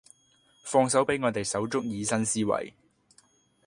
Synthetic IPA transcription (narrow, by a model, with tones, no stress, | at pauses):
fɔː˧ŋs̬ɐ˨˥wpe˨˥jŋɔː˨˧t̪e˨jsɐ˨˥wt͡sʊ˥k̚jiː˨˧sɐ˥nsiː˥wɐ̰˨˩j